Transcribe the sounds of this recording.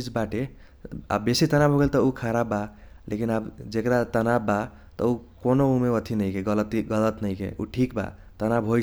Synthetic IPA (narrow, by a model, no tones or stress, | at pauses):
id͡ʒbaʈe | a̰bːesit̪ənabʱoɡelt̪ɔukʰaɾabːa | lʔḛkinabd͡ʒekɾat̪ənabːa | t̪ʌ̰ukonoumeət̪ʰinəɪkeɡələt̪iɡʌlət̪nəikḛṵʈʰik̚ba̰ | t̪ənabɦo